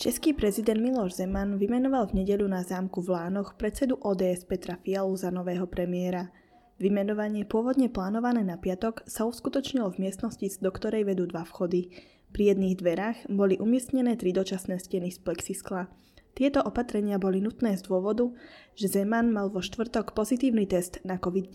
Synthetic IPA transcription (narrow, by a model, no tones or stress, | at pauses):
t͡ʃɛskiːpɾɛzid̪ɛnd̪milɔʒzɛmanʋimɛnɔʋalvɲɛɟɛʎunazaːmkuvlaːnɔxpɾɛt̪t͡sɛd̪uʔɔːd̪ɛːɛspɛt̪ɾafialuzanɔʋɛːɦɔpɾɛmɪɛɾa | ʋimɛnɔʋaɲɪɛpʊɔʋɔd̪ɲɛplaːnɔʋanɛːnapɪat̪ɔksauskut̪ɔt͡ʃɲilɔvmɪɛst̪nɔscizd̪ɔkt̪ɔɾɛjʋɛd̪uːd̪ʋafxɔd̪i | pɾijɛd̪niːɣd̪ʋɛɾaːɣbɔliʔumɪɛst̪ɲɛnɛːt̪ɾid̪ɔt͡ʃasnɛːscɛnisplɛksiskla | t̪ɪɛt̪ɔʔɔpat̪ɾɛɲɪabɔlinut̪nɛːzd̪ʊɔʋɔd̪uʒ̥ɛzɛmanmalʋɔʃt̪ʋr̩t̪ɔkpɔzit̪iːʊnit̪ɛst̪nakɔʋid̪